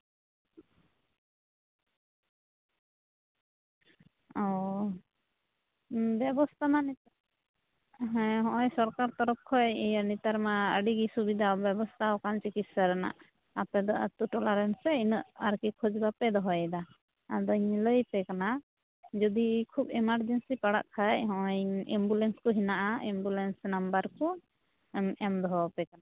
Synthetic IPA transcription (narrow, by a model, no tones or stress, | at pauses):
ɔ | bjɛbɔst̪ʰamanit̪ | ɦɛ̃ɦɔ̃ʔɔ̃jsɔɾkaɾt̪ɔɾɔp̚kʰɔjijanit̪aɾmaəɖiɡisubid̪ʱaɔbjɛbɔst̪ʰaɔkant͡ʃikit̪saɾɛna̰ʔ | apɛd̪ɔʔat̪uʈɔlaɾɛnsɛinəʔaɾkikʰɔd͡ʒbapɛd̪ɔɦɔjd̪a | ad̪ɔɲləjpɛkana | d͡ʒɔd̪ikʰubɛmaɾd͡ʒɛnsipaɽa̰ʔkʰajɦɔ̃ɔjimbulɛnskɔɦinaʔaimbulɛnsnambəɾkɔ | mɛmd̪ɔɦɔpɛkana